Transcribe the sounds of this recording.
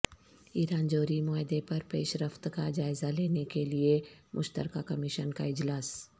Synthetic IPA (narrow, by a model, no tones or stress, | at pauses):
iːɾaːnd͡ʒoːɾimɔːɦɪd̪epɐɾpeːʃɾəft̪kad͡ʒaːɪzaleːnekeliemʔʊʃt̪ə̰ɾkakɐmɪʃənka̰ɪd͡ʒlaːs